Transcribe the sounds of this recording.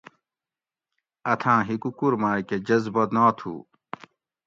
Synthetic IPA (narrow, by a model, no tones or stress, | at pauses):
ɐt̪ʰãːɦikukuɾmaːked͡ʑɐzbɐd̪naːt̪ʰṵː